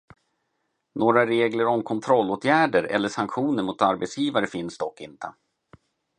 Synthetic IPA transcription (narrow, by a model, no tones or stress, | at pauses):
noːɾaɾeːɡləɾɔmkʰɔnt̪ʰɾɔlːoːt̪ʰjæːɖəɾɛ̰lːəʂaŋkɧuːnəɾmʊt̪aɾbɛt̪sjiːvaɾəfɪnsd̪ɔkːɪnt̪ʰə̰